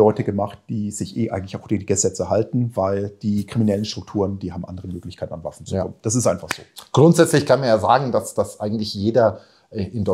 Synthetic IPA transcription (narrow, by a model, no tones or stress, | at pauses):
ɔʏtəɡəmaχt̚d̥iːz̥ɪçʔeːʔaɪŋ̩tlɪçaʊxd̥eːnɡ̥əzɛt͡sɛɦaltn̩vaɪld̥iːkʁ̥iminɛlənʃtʁ̥ʊk̚tʰuːʁənd̥iːhaːbm̩ʔa̰ndəʁəmøːklɪçkʰaɪtn̩anva̰fn̩t͡sukɔ̰mənd̥as̬ɪstʔaɪnfaχz̥o̰ːɡ̥ʁʊntz̥ɛt͡slɪçkʰanmanjaːza̰ːɡŋ̩dasd̥asʔaɪɡŋ̩tlɪçjeːdɐ | ʔɛʔɪndɔ